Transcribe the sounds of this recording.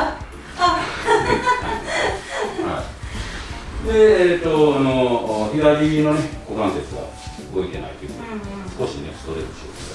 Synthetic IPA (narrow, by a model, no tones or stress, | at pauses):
a | ha̰i | d̪e̞ːt̪ːoanoçiɡaɾʲino̞neɡokãnset͡sɨβa̰ | ɯɡo̞ik̪e̞na̰it̪ojɯ | skoɕiɲiosɨ̥t̪oɾeɾɯɕoː